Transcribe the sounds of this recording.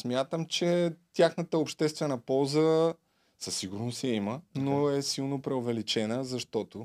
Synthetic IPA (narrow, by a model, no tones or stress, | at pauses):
smʲjat̪əmt͡ʃɛt̪ʲjaxnət̪əopʃt̪ɛst̪vɛnəpɔlˠzə | sɐsːiɡʊɾnosɐimənoɛsilˠnopɾɛovɛlit͡ʃɛnəzɐʃt̪ɔt̪o